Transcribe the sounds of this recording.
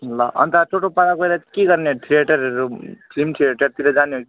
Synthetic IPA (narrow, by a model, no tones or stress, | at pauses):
laʔʌ̰nt̪at͡sʰoʈopaɾakoeɾakeɡʌrneʈ̪ʰieʈʌɾʌɾuʈimʈʰieʈʌɾt̪iɾʌd͡zaneɦoki